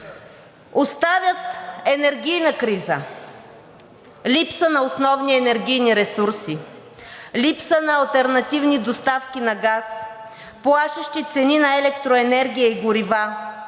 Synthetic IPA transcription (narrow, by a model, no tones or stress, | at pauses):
ost̪avʲjət̪ɛnɛɾɡʲijnəkɾizə | lipsənɐosnɔvniɛnɛɾɡʲijniɾɛsuɾsi | lipsənɐːlˠt̪ɛɾnɐt̪ivnid̪ost̪afkʲinɐɡas | plˠaʃəʃt̪it̪sɛninɐɛlɛkt̪ɾoɛnɛɾɡʲijəiɡʊɾiva